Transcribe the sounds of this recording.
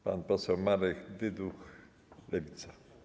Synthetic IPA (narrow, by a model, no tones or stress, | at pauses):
pa̰npɔsɛwmaɾɛkd̪ɪd̪ux | lɛvʲit̪sa